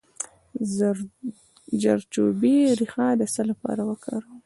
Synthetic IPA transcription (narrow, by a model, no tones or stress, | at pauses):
d͡ʒaɾt͡ʃobiɾixɑd̪əsəlapɑ̰ɾawəkə̰ɾ